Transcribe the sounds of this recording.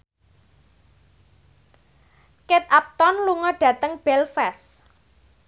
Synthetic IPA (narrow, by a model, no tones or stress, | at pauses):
ket̪̚ap̚t̪ɔnluŋɔɖ̥ä̤t̪əŋb̥ɛlfɛs